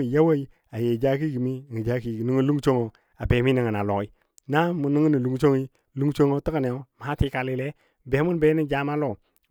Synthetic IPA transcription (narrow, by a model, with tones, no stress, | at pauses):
ja˦wa˦i˦ | a˨je˨d͡ʒa˦k̬i˦ɡi˨mi˦˨ŋi˨d͡ʒa˦ki˨ɡi˨ni˦ŋi˦lu˦ŋ˦t͡ʃo˦ŋo˨ | a˨be˨˦mi˦ni˨ŋa˨na˨lo˨ŋi˦ | na˦mu˨ni˦ŋ˦ni˨lu˨ŋ˦t͡ʃo˦ŋi˦ | lu˦ŋ˦t͡ʃo˦ŋo˦tə˦ka˨ne˨o˦m˨ha˦ti˦ka˨li˦le˦ | be˨˦mu˦nbe˦i˦d͡ʒa˦ma˦lo˦˨